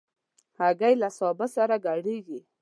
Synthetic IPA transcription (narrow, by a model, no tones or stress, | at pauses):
haɡajlasɑbasaɾaɡaɽeɡi